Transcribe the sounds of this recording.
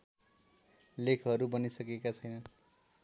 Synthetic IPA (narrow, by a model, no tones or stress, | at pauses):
lekʰʌɾubʌnisʌkekat͡sʰʌjnʌn